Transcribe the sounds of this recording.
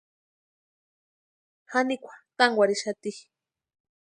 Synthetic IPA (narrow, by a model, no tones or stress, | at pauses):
hanikʷʰḁt̪aŋɡʷaɾiʃat̪i